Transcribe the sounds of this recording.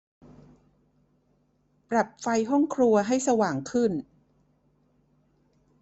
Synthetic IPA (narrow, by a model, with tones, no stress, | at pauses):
pɾa˨˩p̚fa˧jɦɔ˥˩ŋkʰɾu˧ɐɦa˥˩jsa˧waː˨˩ŋkʰɯ˥˩n